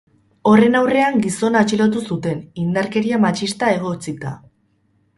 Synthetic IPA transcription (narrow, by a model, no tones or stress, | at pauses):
o̞re̞nawre̞aŋɡiso̞nat͡ʃilot̪̬usut̪e̞nind̪aɾke̞ɾiamat͡ʃist̪ae̞ɣ̞o̞t͡sit̪a̰